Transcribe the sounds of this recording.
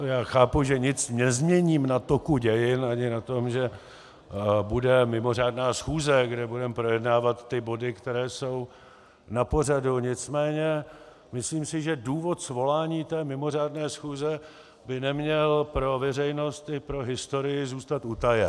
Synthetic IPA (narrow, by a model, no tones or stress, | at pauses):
jaːxaːpuʒɛɲɪt͡sɲɛzmɲɛɲiːmnat̪o̞kuɟɛjɪnʔaɲɪnat̪o̞mʒɛ | budɛmɪmo̞r̝aːdnaːsxuːzɛɡdɛbudɛmpɾo̞jɛdnaːvat̪ːɪbo̞dɪkt̪ɛɾɛːso̞w | napo̞r̝aduɲɪt͡smɛːɲɛ | mɪsliːmsɪʒɛduːvo̞t̪svo̞laːɲiːt̪ɛːmɪmo̞r̝aːdnɛːsxuːzɛ | bɪnɛmɲɛlpɾo̞vɛrɛjno̞st̪ɪpɾo̞ɦɪst̪o̞ɾɪjɪzuːst̪at̪ut̪ajɛ